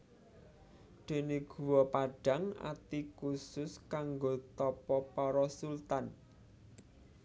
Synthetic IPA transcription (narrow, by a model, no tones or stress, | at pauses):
d̪̥e̤neɡ̥ṳwɔpaɖ̥a̤ŋa̰t̪ikusʊskaŋɡot̪ɔpɔpɔɾɔsult̪an